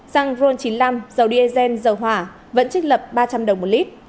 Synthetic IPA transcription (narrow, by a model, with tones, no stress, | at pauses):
za˧ŋzo˧nt͡ɕi˨˦nla˧mzə˨˩wɗi˧ʔe˧zɛ˧nzə˨˩wɦwaː˧˩ | və̰˧˥nt͡ɕɨ˦˥k̚lə˨˩p̚ɓaː˧t͡ɕa˧mɗə˨˩wŋ͡mmo˨˩t̚li˦˥t̚